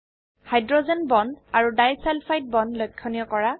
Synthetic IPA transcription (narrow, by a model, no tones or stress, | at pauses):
hajdɹɔzɛnbɔndaɹudajsalfʰajt̚bɔndlɔjkʰːɔnijɔkɔɹa